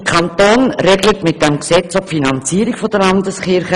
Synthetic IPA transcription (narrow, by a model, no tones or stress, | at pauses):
kʰɑntoːnɾɛɡlətmɪt̚dɛmksɛt͡sɔfinɑnt͡siːɾikfodəɾlɑndəsχɪɾχə